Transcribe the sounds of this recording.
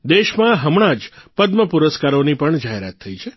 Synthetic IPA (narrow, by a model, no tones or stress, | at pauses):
d̪eʃmãɦəmɳãd͡ʒpəd̪məpuɾəskaɾonipəɳd͡ʒaɦeɾa̰t̪ʰːəit͡ʃʰe